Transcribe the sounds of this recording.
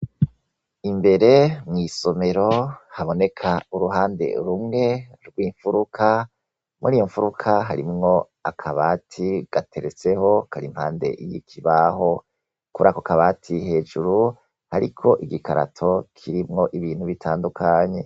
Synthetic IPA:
imbe̞ɾe̞mŋiːso̞me̞ɾo̞haβo̞ne̞kʰauɾuɦaːnde̞̰ɾumŋe̞ɾɡwiːɱfuɾukʰa | mʔuɾiːjo̞ɱfuɾukʰaɦaɾimŋo̞ | akʰaβatʰiɡ̥atʰe̞ɾet͡se̞ho̞kʰaɾim̥haːnde̞̰ʔijikʰiβaho̞ | kuɾakokaβaːtʰihe̞ːd͡ʒuɾu | haɾikʰo̞ʔiɡikaɾa̰tʰo̞kʰiɾimŋo̞ʔiβiːn̥huβitʰaːndukʰaɲe̞

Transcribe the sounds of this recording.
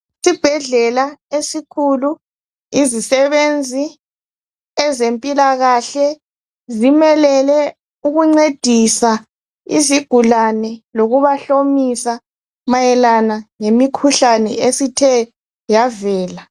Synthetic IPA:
sib̥ʱɛɮɛlaesikʰulu | izisɛβend͡zʱi | ɛzempʼilaɣaɬɛ | zimɛlɛlɛ | uɣuŋ͡ǀed̥ʱisa | ḭziɡ̥ʱulanɛloɣuβaɬomisa | majɛlanaŋemikʰuɬanɛesitʰɛ | javɛːla

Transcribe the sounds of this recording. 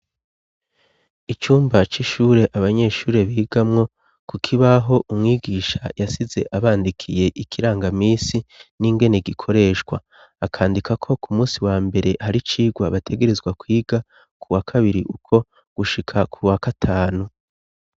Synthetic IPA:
it͡ʃuːmbat͡ʃiʃuːɾe̞ʔaβaɲe̞ʃuːɾe̞βiːɡ̥amŋo̞ | kukʰiβaɦo̞ʔumŋiːɡiːʃa̰jasize̞ʔaβaːndikʰije̞ʔikʰiɾaːŋɡamiːsiniŋɡe̞ne̞ɡikʰo̞ɾe̞ːʃɡwa̰ | akʰaːndikʰakʰo̞kʰumuːsiwaːmbe̞ɾe̞haɾit͡ʃiːɡwaβatʰe̞ɡe̞ɾe̞zɡwakwiːɡ̥a | kuwakʰaβiɾiʔukʰo̞ | ɡ̥uʃikʰakʰuwakatʰaːnu

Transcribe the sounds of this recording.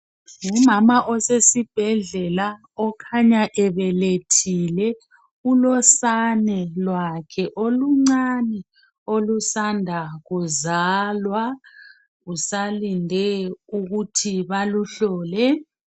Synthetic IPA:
ŋumamaʔɔsesib̥ʱɛɮɛla | ɔkʰaɲaʔɛβɛletʰilɛ | ulɔsanɛlwakʰɛʔoluŋ͡ǀanɛ | olusandʱaɣuzalwa | usalindʱɛuɣutʰiβaluɬɔːlɛ

